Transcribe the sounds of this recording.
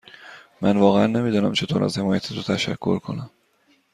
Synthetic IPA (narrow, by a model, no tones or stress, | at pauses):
mænvɒːɣeænːe̞miːd̪ɒːnæmt͡ʃʰe̞t̪ʰoːɾʔæ̰z̥he̞mɒːjæt̪ʰet̪ʰot̪ʰæʃæ̰kʰːo̞̰ɾkʰo̞̰næm